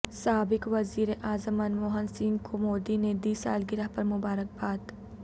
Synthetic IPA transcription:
saːbɪkʋɐziːɾeʔaːzəmənmoːɦənsiːnkʰomoːd̪ined̪iːsa̰ːlɡɪɾapɐɾmʊbaːɾək̚baːt̪

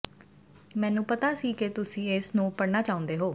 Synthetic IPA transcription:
mɛ̃ːnũːpət̪aːsiːket̪ʊsĩːɪsnũːpəɽnaːt͡ʃaːʊ̃nd̪eːɦoː

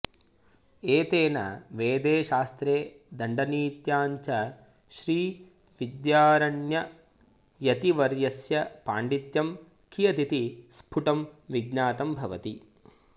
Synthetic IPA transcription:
eːt̪eːnɐ̰ʋeːd̪eːʃaːst̪ɾeː | d̪ɐɳɖɐniːt̪jaːɲt͡ʃɐ | ʃɾiː | ʋid̪jaːɾɐɳjɐ | jɐt̪iʋɐɾjɐsjɐpa̰ːɳɖit̪jɐm | kʰijɐt̪it̪ispʰuʈɐmʋiɡnaːt̪ɐmbʱɐʋɐt̪i

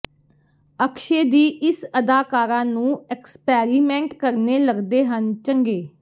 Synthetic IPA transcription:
əkʰʃeːd̪iːʔɪsəd̪aːkaːɾãːnũːɛkspɛːɾiːmɛ̃ːɳʈkəɾneːləɡd̪eːɦənt͡ʃəŋɡeː

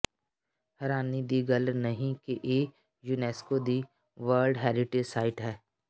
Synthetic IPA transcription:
hɐɾaːnid̪iɡɐlnɐɦĩkeʔeː | juːnɛːskod̪i | ʋəːɾlɖɦɛːɾɪʈed͡ʒsaːɪʈɦɛː

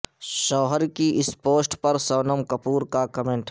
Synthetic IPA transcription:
ʃɔːɦəɾkiʔɪspoːsʈpɐɾsɔːnəmkɐpuːɾkakɐmẽɳʈ

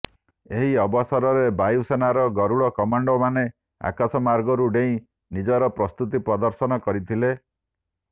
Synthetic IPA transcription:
eɦiɔbɔsɔɾɔɾebajusenaɾɔɡɔɾuɽɔkɔmaɳɖɔmane | a̰kasɔmaɾɡɔɾuɖeĩ | nid͡ʒɔɾɔpɾɔst̪ut̪ipɾɔd̪ɔɾsɔnɔkɔɾit̪ʰile

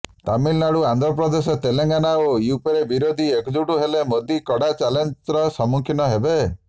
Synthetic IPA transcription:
t̪amilnaɽuand̪ɾɔpɾɔd̪esɔt̪eleŋɡanaojupeɾebiɾod̪ʱiekd͡ʒuʈuɦelemod̪ikɔɽat͡ʃalenɾɔsɔmuŋkʰinɔɦebe

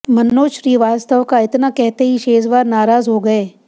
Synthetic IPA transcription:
mɐnːoːʃɾiːʋaːst̪əʋkaɪt̪nakɛɦt̪eɦiʃeːzʋaːɾnaːɾaːzɦoɡɐeː

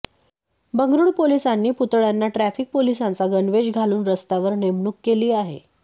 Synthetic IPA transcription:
bəŋɡɾuːɽpolisanːiːput̪ɭjanːaʈɾæfik̚polisant͡saɡənʋed͡ʑɡʱaluːnɾəst̪aʋəɾnemɳukːeliːaɦḛ

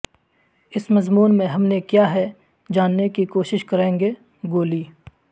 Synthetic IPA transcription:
ɪsmɐzmuːnmẽɦɐmnekjaɦɛ | d͡ʒaːnːekikoːʃɪʃkɐɾẽːŋɡe | ɡoːliː

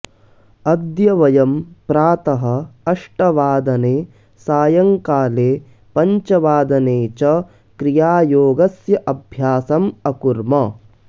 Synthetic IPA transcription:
ɐd̪jɐʋɐjɐmpɾaːt̪ɐɦɐɐʂʈɐʋaːd̪ɐneː | saːjɐŋkaːleː | pɐɲt͡ʃɐʋaːd̪ɐneːt͡ʃɐ | kɾijaːjoːɡɐsjɐʔɐbʱjaːsɐmɐkuɾmɐ

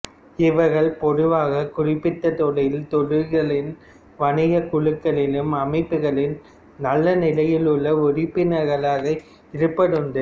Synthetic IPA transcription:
ɪʋɐɾɣɐɭpɔðɯʋaːɣɐkʊrɪpːɪt̪ːɐt̪ɔɭɐjɪlt̪ɔɻɪɾɣɐɭɪn | ʋɐɳɪɣɐkʊɻɯkːɐɭɪlɯmɐmɐɪpːɯɣɐɭɪn | nɐlːɐnɪlɐjɪlɯɭːɐʊrɪpːɪnɐɾɣɐɭaːɣɐ | ɪɾɯpːɐɽɯnɖɯ

